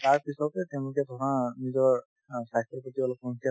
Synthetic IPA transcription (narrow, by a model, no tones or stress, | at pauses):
taɹpisɔtɛtɛʊ̃lʊkɛtʰɔkanizɔɹ | sajstɔpatibalɔkɔŋkʰia